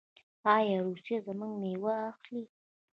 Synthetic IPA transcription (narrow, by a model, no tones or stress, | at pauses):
ɑjɑɾusjazəməŋɡmewaaxli